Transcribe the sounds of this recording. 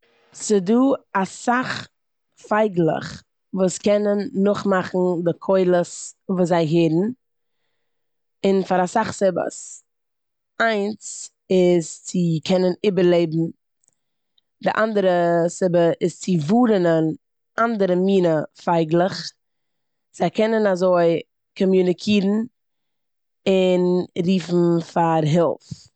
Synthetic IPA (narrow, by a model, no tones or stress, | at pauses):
sɪduːasaχ | faɪɡlˠə̰χ | vuːskɛnənːʊχmaχn̩dɪkʰɔɪlˠəsvuːszaɪɦeːɾn̩ | ɪnfaɾasaχsɪbə̰s | aɪnt͡s | ɪst͡sɪkʰɛnəniːbəɾlˠeɪbm̩ | dɪʔandəɾəsɪbəʔɪst͡sɪvuːɾənən | ʔandəɾəmiːnəfaɪɡlˠəχ | z̥aɪkɛnənazoɪ | kɔmjunɪkʰiːɾn̩ | ɪnɾiːfn̩faɾɦɛlˠf